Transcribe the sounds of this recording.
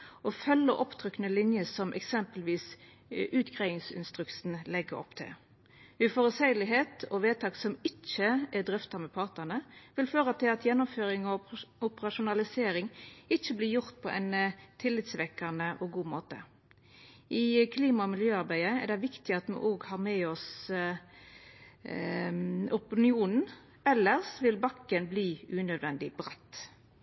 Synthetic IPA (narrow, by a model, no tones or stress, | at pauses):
ɔfœlːəʔɔpt̪ʰʁʏkːənəlɪnjəsɔmʔɛ̰ksɛmpəlʋiːs | ʔʉːt̪ɡʁæɪɪŋsɪ̰nst̪ʁʉksn̩lɛɡəɾɔ̰pːt̪ʰɪ̰ | ʉfɔɾʉd̪sæɪlɪɦeːt̪ʰɔʋeːt̪ʰɑːksɔmɪt͡ʃːəɛd̪ʁʏft̪ɑmɛpʰɑʁt̪nənəʋɪlføːʁət̪ʰɪlɑt̪jɛnːʊmføːʁɪŋɔʊpəʁɑʃʊnɑlɪseːɾɪŋɪt͡ʃːəblɪjʊʁt̪̚pʰɔʔɛ̰ɪnt̪ʰɪlːɪt̪sʋɛkːɑnəʔɔɡuːmoːt̪ə̰ | ʔɪkʰliːmɑɔmɪljøːɑʁbæɪəɛ̰ʁd̪ɛɪʋɪkt̪ɪɑt̪mɛ̰ʔoːɡhɑːʁmeːɔs | ʊpɪnɪuːnn̩ | ɛlːəʁsʋɪlbɑkːənbliːʉːnœd̪ʋɛnd̪ɪbʁɛt̪ː